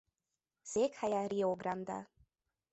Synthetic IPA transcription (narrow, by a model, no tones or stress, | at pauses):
z̥ekhajaɾioɡɾand̪a̰